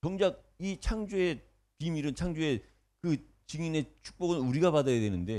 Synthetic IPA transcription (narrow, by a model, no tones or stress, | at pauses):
t͡ɕʌŋd͡ʑaɡ̚ | it͡ɕʰaŋd͡ʑue̞ | pimiɾɯnt͡ɕʰaŋd͡ʑue̞ | kɯ | t͡ɕiŋine̞t͡ɕʰu̥k̚p͈oɡɯnuɾiɡapadajadwe̞nɯnde̞